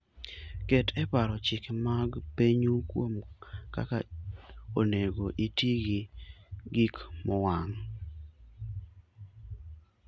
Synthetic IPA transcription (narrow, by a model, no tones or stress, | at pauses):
kɛtɛpaɾɔt͡ʃɪkmaɡpeɲukwo̰mka̰ka | oneɡoʔitiɡɪɡikmɔwaŋ